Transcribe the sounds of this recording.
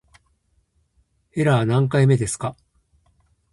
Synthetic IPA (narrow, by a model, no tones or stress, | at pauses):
e̞ɾanãŋkaime̞d̪e̞sɨ̥ka